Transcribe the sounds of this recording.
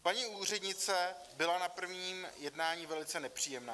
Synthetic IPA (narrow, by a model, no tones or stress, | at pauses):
paɲiuːr̝ɛdɲɪt͡sɛ | bɪlanapr̩vɲiːmjɛdnaːɲivɛlɪt͡sɛnɛpr̥iːjɛmnaː